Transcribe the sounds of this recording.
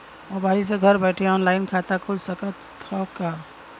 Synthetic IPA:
mobais̬eɡʱəɾbɛjʈʰeɔnlaɪnkʰat̪akʰud͡ʒsəkət̪ʰ | ɔka

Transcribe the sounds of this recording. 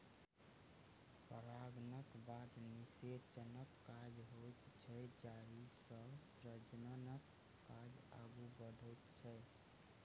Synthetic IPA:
pəɾaɡnəkbad̪niseɾt͡ʃənəkːad͡ʒɦojt̪t͡ʃʰɛd͡ʒaɾisəsɾəd͡ʒnənəkː | ad͡ʒa̰ɡubəd̪ʱət̪t͡ʃʰəj

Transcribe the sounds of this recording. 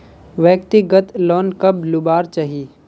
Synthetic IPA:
ʋjəkt̪ɪɡət̪lɔːnkɐblʊbaːɾt͡ʃaɦi

